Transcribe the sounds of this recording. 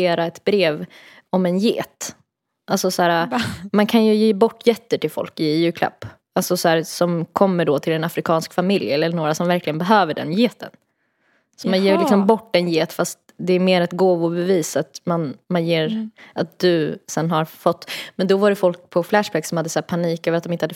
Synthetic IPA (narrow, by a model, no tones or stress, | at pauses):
eːɾaɛt̪bɾeːv | ɔmɛnjeːt̪ | ʔalsɔsæːɾamankʰanjɵjeːbɔʈːjɛt̪ːəʈɪlfɔ̰lkɪjʉːkʰla̰pː | alsɔsɔhæːɾsɔmkʰɔmːəɖɔt̪ʰɪlɛnafɾɪkʰɑːnskfamɪljɛlːəɳoːɾasɔmvæɾklɪɡənbɛɦøːvəɖɛ̰njeːt̪ʰə̰n | sɔmanjeːlɪksɔmbɔʈːɛnjeːt̪fast̪ | d̪ɛːɾmeːɾɛt̪ɡoːvʊbɛviːsat̪manmanjeːɾʔat̪̚d̪ɵsɛnɦaɾfɔt̪ːmɛnd̪ɔvaɾɛfɔlk̚pʰɔflæʂbæksɔmhad̪ːəsæːɾpʰaniːkøːvɾt̪̚ɔmɪnt̪əhad̪ːə